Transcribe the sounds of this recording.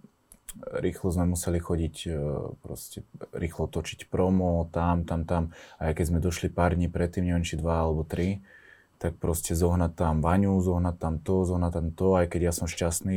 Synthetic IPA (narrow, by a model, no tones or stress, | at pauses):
ɾiːxlɔzmɛmusɛlixɔɟicpɾɔ̰scɛɾiːxlɔt̪ɔt͡ʃi̥cpɾɔmɔt̪amt̪amt̪amajkɛɟzmɛd̪ɔʃlipaːɾd̪ɲiːpɾɛt̪ːiːmɲɛʋɛnt͡ʃid̪ʋaalɛbɔt̪ɾi | t̪ak̚pɾɔscɛzɔɦnat̪ːamʋaɲuzɔɦnatt̪amt̪ɔzɔɦnat̪ːamt̪ɔajkɛɟɪjasɔmʃcast̪niː